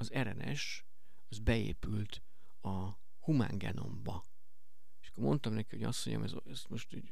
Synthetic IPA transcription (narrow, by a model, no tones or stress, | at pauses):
ɒzɛɾɛnɛʃ | ɒzbɛḛːpylt̪ | ɒ | huma̰ːŋɡɛno̞mbɒ | eʃɒ̥kːormo̞nt̪ɒmnɛkiho̞ɟɒ̰st̪ːoɲɒ̰mɛz | ɛst̪moʃt̪u